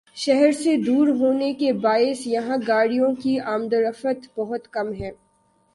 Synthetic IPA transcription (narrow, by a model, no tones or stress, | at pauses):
ʃɛɦɛɾsed̪uːɾɦoːnekebaːɪsjɐɦãɡaːɽijõkiaːmd̪əɾəfət̪bɐɦʊt̪kɐmɦɛ̃ː